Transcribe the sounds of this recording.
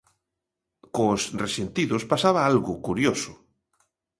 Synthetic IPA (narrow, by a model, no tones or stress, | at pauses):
kosresent̪iðʊspasaβaalɣʊkuɾjosʊ